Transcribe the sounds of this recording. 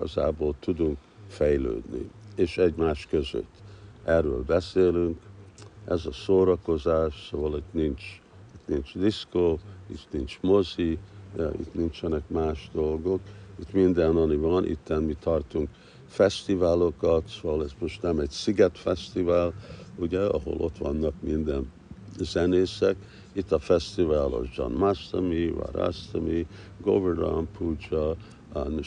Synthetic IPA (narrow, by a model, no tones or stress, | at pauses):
ɒ̰za̰ːboːlt̪ud̪uŋk | fɛjlø̰ːd̪nḭeːʃɛɟmaːʃkøzø̰t̪ːɛrːø̰ːlbɛseːlyŋkɛzɒsoːɾɒko̞zaːʃsoːvɒlit̪nint͡ʃ | it̪nint͡ʃd̪iskoːḭt̪nint͡ʃmo̞ziḭt̪nint͡ʃɛnɛkmaːʃd̪o̞lɡo̞kit̪mind̪ɛnɒnivɒnʔḭt̪ːɛnmit̪ʰɒrt̪uŋk | fɛst̪ivaːlokɒt̪soɑlɛzmoʃt̪nɛmɛɟsiɡɛt̪fɛst̪ivaːluɟɛɒ̰ɦo̞̰lʔo̞̰t̪ʋɒnːɒkmind̪ɛn | z̥ɛneːsɛk | it̪ːɒfɛst̪ivaːlɒ̰zd͡ʒɒ̰nmast̪ɐmiva̰ɾa̰st̪ɔmiɡo̰vɛrdɑ̰mpʰuːd͡ʒɒ